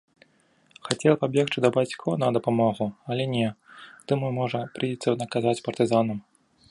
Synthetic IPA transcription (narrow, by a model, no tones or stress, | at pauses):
xat͡sʲɛlˠɐpabʲjɛxt͡ʂɨd̪ɐbat͡sʲkʰɔnɐd̪ɐpamɔɣuɐlʲɛnʲɛt̪ɨmumɔʐɐpɾɨjit̪sɐnɐkazvat͡sʲpɐrt̪ɨzanɐm